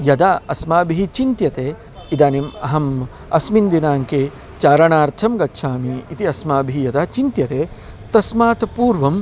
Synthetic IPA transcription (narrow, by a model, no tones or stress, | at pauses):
jɐd̪aːɐsmaːbiɦit͡ʃint̪jɐt̪eː | id̪aːnimɐɦɐm | ɐsmind̪inaːŋkeː | t͡ʃaːɾɐɳaːɾt̪ʰɐmɡɐtːʃʰaːmiːt̪iɐsmaːbʱiɦijɐd̪aːt͡ʃint̪jɐt̪eː | t̪ɐsmaːt̪ɐpuːɾʋɐm